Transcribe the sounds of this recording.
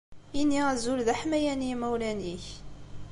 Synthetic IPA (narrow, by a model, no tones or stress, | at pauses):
inːiʁæzulðæħmæjænimæwlæniç